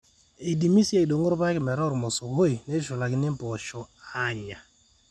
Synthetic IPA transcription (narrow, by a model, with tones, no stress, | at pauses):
i˨di˨mi˦sje˦˨do˨ŋo˦ɾba˦kmɛ˨ɾɔ˦˨ɾmɔ˨so˨ɡo˦i˨ne˦ʃʊ˨la˨ɡɪ˦nɪ˦pɔ˨ʃɔ˨a˦ɲa˨